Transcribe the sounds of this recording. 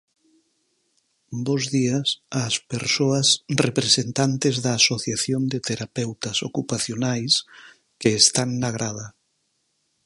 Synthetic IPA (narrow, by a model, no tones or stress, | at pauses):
bozðiasaspeɾsoasrepɾesent̪ant̪ezðaːsoθjaθjond̪et̪eɾapɛwt̪asokupaθjonajs | keːst̪aŋnaɣ̞ɾʔað̞a